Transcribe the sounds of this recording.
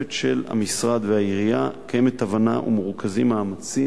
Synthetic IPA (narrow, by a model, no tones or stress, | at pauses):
etʃelha̰misʁad̪veaiʁijakajemet̪avana̰ʔṵmuʁkʰazimaːmat͡si